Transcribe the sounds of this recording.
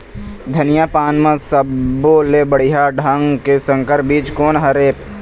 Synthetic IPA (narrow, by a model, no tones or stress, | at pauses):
d̪ʱɐnɪjaːpaːnmə̃səboːlebəɽ̤iɦaːɖʱaŋkesə̃ŋkəɾbiːt͡ʃkoːnɦɐɾeː